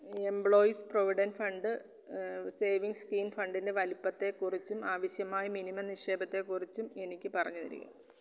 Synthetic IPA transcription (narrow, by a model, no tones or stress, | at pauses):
e̞mbɭo̞ːjsproʋiɽɐnfɐɳɖɨ | se̞ːʋiŋɡskiːnfɐɳɖinde̞ʋɐlipːɐt̪ːe̞kːurit͡ɕːumaːʋɐɕjɐmaːjɐminimɐmniʂeːbɐt̪ːe̞kurit͡ɕːume̞nikʲːɨpɐrɐɲːuðḭɾḭkːṵ